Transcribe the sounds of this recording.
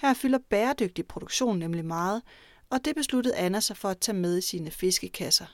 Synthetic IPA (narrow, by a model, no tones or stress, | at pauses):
hæɐ̰fylɐb̥eːɐd̥øɡ̥̚d̥ipʰʁo̝d̥oɡ̥ɕo̝̰ːnːemlimɑ̈ːð̞̩ˠ | ɒ̽d̥e̝b̥e̝slud̥əð̩ˠænæsɐfɒ̽æt͡sʰɛ̰ːmeð̞ˠisiːnəfe̝sɡ̥əkʰæsɐ